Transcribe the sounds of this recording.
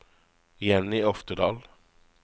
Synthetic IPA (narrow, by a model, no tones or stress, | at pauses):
jɛnɪɔft̪əd̪ɑːl